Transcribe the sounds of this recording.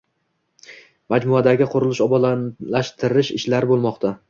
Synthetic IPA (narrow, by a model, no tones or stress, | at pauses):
mad͡ʒmʊad̪aɡʲɪqʰʊɾɪlˠɪʃɒbɒanlaʃt̪ʰɪɾɪʃɪ̰ʃlaɾɪbolˠmɒqt̪ʰa